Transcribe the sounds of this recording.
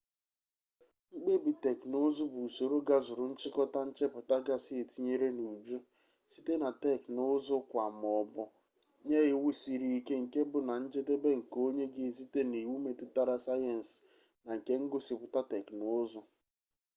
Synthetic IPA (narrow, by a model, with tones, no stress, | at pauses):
ŋ͡m̩˦ɡ͡be˦bi˨te˨knʊ˦zʊ˦bu˨so˨ɾo˦ɡa˦zʊ˨ɾʊ˨n̩˦t͡ʃɪ˦kɔ˦ta˦n̩˦t͡ʃe˦pʊ˨ta˦ɡa˦sɪ˦e˨ti˦ɲe˦ɾe˦nu˨d͡ʒu˦ | si˦te˦na˨te˦˨knʊ˦zʊ˦kʷa˨mɔ˨bɔ˦ | ɲe˦ɣɪ˦wu˦si˨ɾi˦i˦ke˦ŋ̩˨ke˦bʊ˨na˨n̩˦d͡ʒe˦de˦be˦ŋ̩˨ko˦ɲe˦ɡɪ˦zi˦te˦ni˨wu˦me˨tʊ˦ta˦ɾa˦sa˦jɛ˨n̩˨s | na˨ŋ̩˨ke˦ŋ̩˦ɡʊ˦si˨pʊ˨ta˦tɛ˨knʊ˦zʊ˦